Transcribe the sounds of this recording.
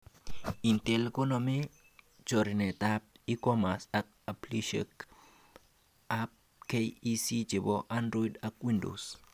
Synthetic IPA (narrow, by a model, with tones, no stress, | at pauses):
i˨nt̪e˨lko˦nomi˦ | t͡ʃo˨ɾine˨t̪a˦p̚i˦koma˨sak̚a˨pliʃḛk | ap̚ | kejisi˦t͡ʃe˨boʔa˦nɾo˦idakwi˦ndo̰˨s